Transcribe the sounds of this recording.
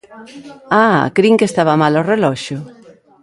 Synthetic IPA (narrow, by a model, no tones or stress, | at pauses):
a̰kɾiŋkest̪aβamalorelɔʃʊ